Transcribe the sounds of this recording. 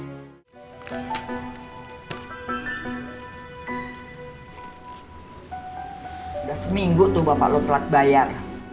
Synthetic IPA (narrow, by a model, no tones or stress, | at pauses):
dasəmiŋɡut̪ubama̰ʔlot̪lat̪̚bajar